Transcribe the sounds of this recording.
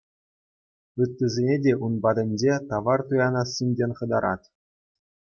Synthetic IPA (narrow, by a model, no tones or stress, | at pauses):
ɯt̪ʲːɘ̆zʲenʲedʲeʔunbɑd̪ʲɤ̆nʲd͡ʑet̪ɑʋɑrt̪ujɑnɑsʲːinʲdʲenʲχɤ̆d̪ɑ̰ɾɑ̰t̪ʲ